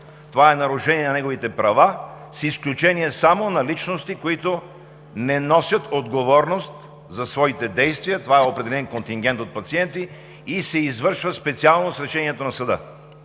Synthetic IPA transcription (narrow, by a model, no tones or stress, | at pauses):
t̪ovaɛnɐɾʊʃɛniɛnɐnɛɡovit̪ɛpɾɐva | sisklʲut͡ʃɛniɛsamonɐlit͡ʃnost̪ikoit̪o | nɛnɔsʲɐt̪od̪ɡovɔɾnost̪ | zɐsvɔit̪ɛd̪ɛjst̪vijət̪ovaɛopɾɛd̪ɛlɛnkont̪iŋɡ̟ɛnt̪ot̪̚pɐt̪siɛnt̪iː | sɛizvɤɾʃvəspɛt̪sialˠnosɾɛʃɛniɛt̪onɐsɐd̪ə̰